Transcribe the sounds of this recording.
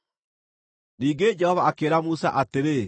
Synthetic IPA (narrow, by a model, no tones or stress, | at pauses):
niːɡed͡ʒɛhɔvaːkeɾamusa̰ʔateɾe